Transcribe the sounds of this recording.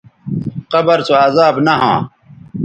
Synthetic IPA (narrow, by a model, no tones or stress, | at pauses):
qɐbɐɾsoaːzaːbnɐɦã̰ː